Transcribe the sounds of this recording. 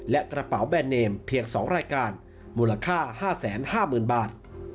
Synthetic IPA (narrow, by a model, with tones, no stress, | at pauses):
lɛ˦˥ʔkɾa˧pa˩˦wbɛː˧nːeː˧mpʰi˧˩ək̚sɔː˩˦ŋɾaː˧jkaː˧n | muː˧la˧kʰaː˥˩haː˥˩sɛː˩˦nhaː˥˩mɯː˨˩nbaː˨˩t̪̚